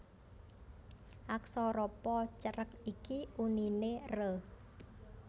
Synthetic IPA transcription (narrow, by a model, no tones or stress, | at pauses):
ʔaksɔɾɔpɔt͡ʃəɾəkikiʔuninerəh